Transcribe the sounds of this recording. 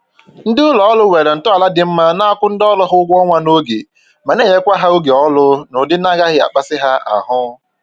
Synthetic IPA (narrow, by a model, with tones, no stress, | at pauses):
n̩˦dɪ˦ʊ˦lɔ˨˦lʊ˦we˨ɾe˨n̩˨tɔ˦a˨la˦dɪ˨m̩˦ma˦na˦a˦kʷʊ˦n̩˦dɔ˦lɔ˦ɦʊ˦ɡʷɔ˦ŋʷa˦no˦ɡe˨ | ma˨ne˦˨ɲe˦kʷa˦ɦa˦o˦ɡe˨ɔ˦lʊ˦nʊ˨dɪ˦n˦a˦ɡa˦ɦɪ˦a̰˨k͡pa˦sɪ˦ɦa˦a̰˨ɦʊ˦